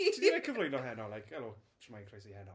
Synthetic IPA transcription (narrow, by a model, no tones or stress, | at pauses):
iakʰəvlojnɔɦɛnɔlajkʰɛlot͡ʃʰmajnkʰrejsihɛnɔ